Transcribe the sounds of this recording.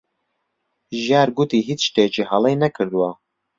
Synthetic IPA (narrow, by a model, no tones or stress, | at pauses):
ʒjaːɾɡut̪iːɦiːt͡sʃt̪ejɛt͡ʃihɑlˠejnɐkʰɨɾd̪uwa